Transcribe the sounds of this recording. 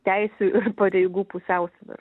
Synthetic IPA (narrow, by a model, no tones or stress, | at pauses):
t̪ʲɛɪsʲuːɪrpɐɾʲɛɪɡuːpʊsʲɛʊsʲʋʲɪ̰r